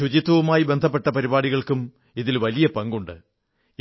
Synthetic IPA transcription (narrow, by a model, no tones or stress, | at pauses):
ut͡ɕit̪ːwɐʋumaːjibe̞nd̪ʱɐp̬ːe̞ʈːɐpɐɾibaːɽiɣɐɭkum | iðilʋɐlijɐpɐŋɡuɳɖɨ